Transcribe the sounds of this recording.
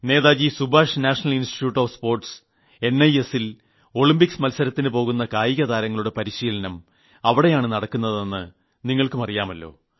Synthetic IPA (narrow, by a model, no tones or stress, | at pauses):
ne̞ːðaːd͡ʑisubʱaːʂnaːʂɐnɐlinsʈi̥ʈjuːʈːoːʋspo̞ːrʈs | e̞nːɐje̞sil | o̞ɭimbiksmɐlsɐɾɐt̪ːinɨpo̞ːɣunːɐkaːjiɣɐðaːɾɐŋːɐɭuɽe̞pɐɾiɕiːlɐnɐm | ɐʋiɽe̞jaːɳɨnɐɽɐkːunːɐðe̞nːɨ | niŋːɐɭkɨmɐrijaːmɐlːo̞̰ː